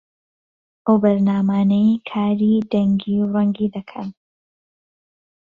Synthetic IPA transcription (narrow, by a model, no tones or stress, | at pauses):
ʔowbɐɾnaːmaːnejkʰaːɾiːd̪ɐŋɡiːɾɐŋɡiːd̪ɐkʰɐn